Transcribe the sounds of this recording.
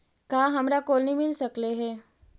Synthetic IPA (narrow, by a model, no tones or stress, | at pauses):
kaɦamɾakolnimilsəkleɦe